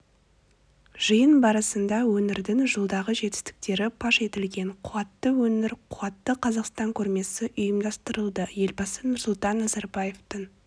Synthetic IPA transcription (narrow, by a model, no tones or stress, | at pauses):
ʒ̥əjənbɑɾɑsənd̪ɑwɵnɪɾd̪ɪŋʒəlˠd̪ɑʁəʒe̞t̪ɪ̥st̪ɪ̥k̚t̪e̞ɾɪpʰɑʃe̞t̪ɪlɡʲe̞ɴqʰʊɑt̪ːəwɵnɪɾqʰʊɑt̪ːəqʰɑzɑqst̪ɑŋkʲʰɵɾme̞sɪʔʊjəmd̪ɑst̪əɾəlˠd̪əje̞lbɑsənʊɾsʊlˠt̪ɑnːɑzɑɾbɑje̞ft̪əɴ